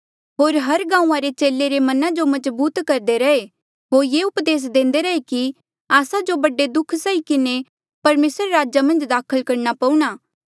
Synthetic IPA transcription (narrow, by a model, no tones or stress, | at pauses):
ɦoːɾɦɐɾɡãːũːãɾet͡ʃeːlːeɾemɐnãd͡ʒomɐzbuːt̪kɐɾd̪eɾɐe | ɦoːɾjeʊpd̪eːs̬d̪ẽːnd̪eɾɐeki | aːsad͡ʒobɐɖed̪ʊkʰsaikɪne | pɐɾmeːsɾeɾaːd͡ʒamɐ̃nd͡ʒd̪aːkʰəlkɐɾnapɐ̃ũɽ̃aː